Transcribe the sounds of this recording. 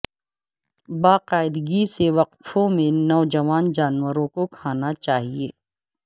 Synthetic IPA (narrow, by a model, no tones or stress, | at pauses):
baːqaːɪd̪ɡiseʋɐq̚t̪ʰõmẽnɔːd͡ʒɐʋaːnd͡ʒaːnwəɾõkokʰaːnat͡ʃaːɦieː